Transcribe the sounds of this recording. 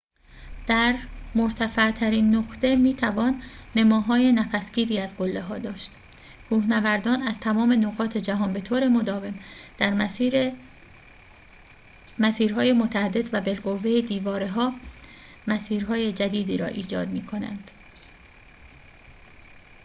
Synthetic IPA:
d̪̥æɾmoɾt̪ʰæfæʔt̪ʰæɾiːnːoxt̪e̞miːt̪ʰævɒːnne̞mɒːɦɒːje̞næfæsciːɾiːæzɡolːe̞ɦɒːd̪ɒːʃt̪ | kʰuːhnævæɾd̪ɒːnæz̥t̪ʰæmɒːme̞noɣɒːt̪ʰe̞d͡ʒæɦɒːnbe̞t̪ʰoːɾe̞mod̪ɒːve̞md̪̥æɾ | mæsiːɾɦɒːje̞mot̪ʰææd̪ːe̞d̪væbe̞lɡo̞vːejed̪iːvɒːɾeɦɒː | mæsiːɾɦɒːje̞d͡ʒæd̪iːd̪iːɾɒ̰ːʔiːd͡ʒɒ̰ːd̪miːkʰo̞næ̰nd̪̥

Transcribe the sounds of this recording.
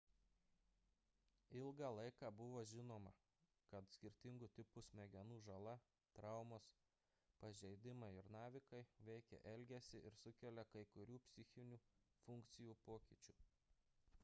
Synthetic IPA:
ɪlˠɡɑlˠɐɪkɑːbʊʋoːʒʲɪnoːmɐ̰ | kɐt̪sʲkʲɪɾʲt̪ʲɪŋɡʊt̪ʲɪpʊsmʲɛɡʲɛnuːʒɐlˠɐ | t̪ɾɐˑʊmoːs | pɐʒʲɛɪd̪ʲɪmɐɪɪɾnɑːʋʲɪkɐɪʋʲɛɪkʲɛ̰ʔɛlʲɡʲɛsʲɪʔɪɾsʊkʲɛlʲɛkɐɪkʊɾʲuːpʲsʲɪxʲɪnʲuːfʊŋʲkt̪sʲɪjuːpoːkʲiːt͡ʃʲuː

